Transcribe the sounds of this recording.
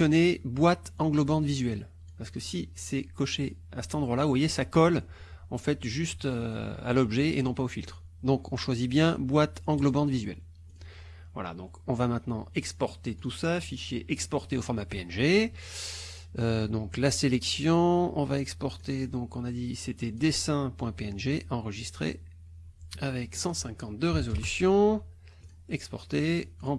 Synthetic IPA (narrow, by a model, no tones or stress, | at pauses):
ɔnebwat̪ɑ̃ɡlɔbɑ̃d̪vizɥɛl | paʁsə̥kəsisɛkɔʃe | asɛ̥t̪ɑ̃d̪ʁwalauvwajesakɔl | ɑ̰̃fɛt̪ʒyst̪øa̰lɔbʒɛḛnɔ̃paofilt̪χ | d̪ɔ̃kɔ̃ʃwazibjɛ̃bwat̪ɑ̃ɡlɔbɑ̃t̪vizɥɛ̰l | vwa̰la̰d̪ɔ̃kɔ̃vamɛ̃t̪nɑ̰̃ɛkspɔʁt̪et̪usafiʃjeʔɛkspɔʁt̪eofɔʁmapeɛnʒe | ød̪ɔ̃klaselɛksjɔ̃ɔ̰̃vaɛkspɔʁt̪ed̪ɔ̃kɔ̃nad̪iset̪ɛd̪esɛ̃pwɛ̃peɛnʒeʔɑ̃ʁəʒist̪χḛ | avɛksɑ̃sɛ̃kɑ̃t̪̚d̪əʁezɔlysjɔ̃ | ɛkspɔʁt̪eʁɑ̃